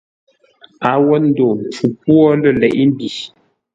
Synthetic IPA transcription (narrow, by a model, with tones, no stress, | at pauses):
a˨wɔ˦n̩˦do˨m˨p͡fu˨p̚wɔ˦lə˦˨lɛ˨ʔi˦m˦bi˨